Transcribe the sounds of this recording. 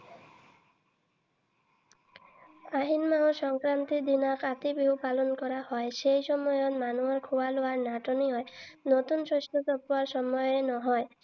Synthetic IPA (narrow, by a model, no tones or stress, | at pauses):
aɦinmaõsɔŋkɾant̪id̪inɔkat̪ibiɦupalɔnkɔɾahɔesejsɔmɔjɔt̪manuɔɾkʰuwaloaɾnaʈɔniɦɔjnot̪unsosʈʰɔt̪ɔpɔaɾsɔmɔjɔɾenɔɦɔj